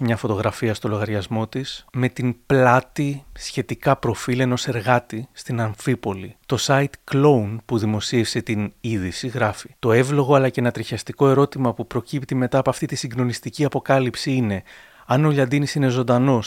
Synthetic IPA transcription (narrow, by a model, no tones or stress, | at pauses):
mɲɐfo̞t̪o̞ɣɾɐfiɐst̪o̞lo̞ɣɐɾʝɐzmo̞t̪isme̞t̪inplɐt̪isçe̞t̪ikɐpɾo̞file̞no̞se̞ɾɣɐt̪ist̪inɐɱfipo̞lit̪o̞sɐit̪klo̞unpuðimo̞sie̞fse̞t̪iniðisiɣɾɐfit̪o̞e̞vlo̞ɣo̞ɐlɐceenɐt̪ɾiçɐst̪iko̞e̞ɾo̞t̪imɐpupɾo̞cipt̪ime̞t̪ɐːpoɐft̪it̪isiŋɡno̞nist̪iciɐpo̞kɐlipsiine̞ | ɐnoʎɐnd̪inisine̞zo̞nd̪ɐno̞s